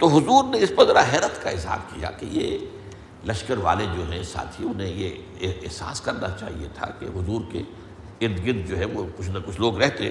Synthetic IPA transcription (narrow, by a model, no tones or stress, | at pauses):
t̪oɦʊzuːɾneɪspɐɾzɐɾaɦɛːɾət̪kaɪzɦa̰ːɾkija̰keje | lɐʃkəɾʋa̰ːled͡ʒoːɦɛ̃sa̰ːt̪ʰiʊnɦẽjeː | ɦsa̰ːskɐɾnat͡ʃa̰ːɦḭet̪ʰa̰kḛɦʊzuːɾkḛ | ɪɾd̪ɡɪd̪̚d͡ʒoːɦɛʋokʊt͡ʃʰnakʊt͡ʃʰloːɡɾɛɦt̪ẽː